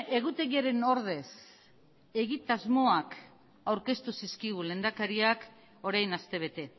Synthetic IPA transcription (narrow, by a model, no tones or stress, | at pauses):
e̞ɣut̪e̞ɣiaɾe̞no̞ɾð̞e̞s | e̞ɣit̪azmo̞ak | awɾke̞st̪usiskiɣ̞ule̞nd̪akaɾiak | o̞ɾajnast̪e̞β̞e̞t̪e̞